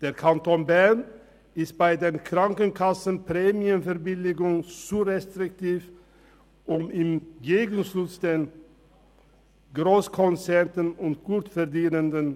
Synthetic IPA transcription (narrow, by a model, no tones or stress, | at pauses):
d̥eːɐʁkʰantoːnbɛɐn | ɪst̚b̥aɪdeːnkʁ̥aŋkənkʰasən̩pʁ̥eːmiənfɛɐbɪlɪɡʊŋt͡suʁɛstʁ̥ɪktʰiːf | ʔʊmɪmɡeːɡən̩ʃʊt͡sd̥eːn | ɡʁoːskʰɔnt͡sɛʁtənʊntɡ̥uːtfɛʁdiːnəndən